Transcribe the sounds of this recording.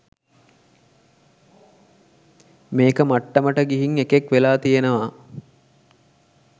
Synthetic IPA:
meːkəmaʈːəməʈəɡiɦiŋekekʋelaːt̪ijenəʋa

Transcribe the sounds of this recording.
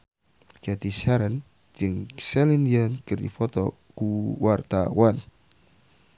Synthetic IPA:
d͡ʒ̥at̪isaɾən | d͡ʒəŋsɛlinjənkɨrd̪ḭfɔt̪ɔ | kuwart̪a̰wan

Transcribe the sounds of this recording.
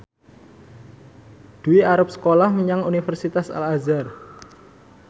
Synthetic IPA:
d̪̥uiaɾʊp̚sə̥kolahməɲaŋunifərsit̪asa̰lazar

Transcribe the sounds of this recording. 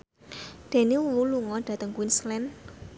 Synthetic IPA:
d̪̥e̤niululuŋɔɖ̪̥ä̤t̪əŋkwinslɛn

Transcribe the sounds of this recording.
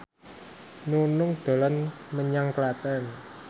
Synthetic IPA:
nunʊŋd̪̥o̤lɔnməɲaŋklat̪ɛn

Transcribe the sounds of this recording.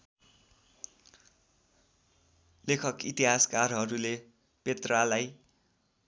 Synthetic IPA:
lekʰʌkit̪iɦaskarɦʌɾule | pet̪ralaj

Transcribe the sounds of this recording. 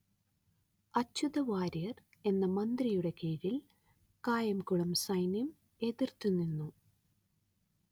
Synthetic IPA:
ɐt͡ɕːuðɐʋaːɾijɐr | e̞nːɐmɐnd̪rijuɽe̞keːɻil | kaːjɐmkuɭɐmsɐjnim | e̞ðirt̪ːunːinːu

